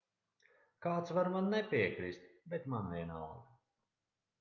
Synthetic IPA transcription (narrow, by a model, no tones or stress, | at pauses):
kaːt̪svaɾmanːɛpʲiɛkɾist̪bɛt̪manviɛna̰lɡ